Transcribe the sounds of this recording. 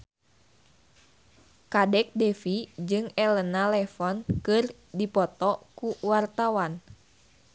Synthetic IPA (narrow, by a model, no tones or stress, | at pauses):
kadɛk̚dɛfid͡ʒɨŋɛlənalɛfɔnkɨr | dipɔt̪ɔkuwart̪awan